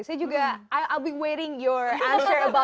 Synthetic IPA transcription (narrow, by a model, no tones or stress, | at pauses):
sɛdjuɡaaɪʔaɪlˠbiweɪɾɪ̃ŋjɔɹʔæ̃nsə˞ɐba